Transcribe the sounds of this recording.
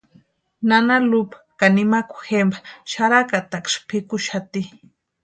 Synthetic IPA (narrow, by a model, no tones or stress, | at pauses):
nanalupkanimaku̥xembḁʃaɾakat̪akʃpʰikuʃat̪i